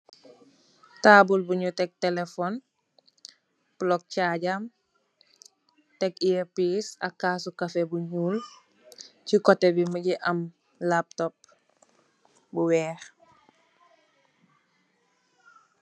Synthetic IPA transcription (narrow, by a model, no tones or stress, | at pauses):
taːbulbuɲutɛk̚tɛlefɔn | blɔk̚caɟam | tɛkiɛpisɐ̰kːaːsukɐfebuɲuːl | cikɔtɛbiməɟiʔɐm | lap̚tɔp̚ | buwɛːx